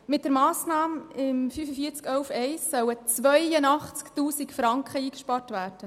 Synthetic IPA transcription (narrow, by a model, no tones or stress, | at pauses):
mɪt̚d̥əɾmɑːsnɑːmɪmfyfəfiːɾt͡skœʊfɛɪsːœwət͡sʋœjənɑχt͡sktuːsikfɾɑŋkχəiːkʃpɑːrtvʋæːɾd̥ə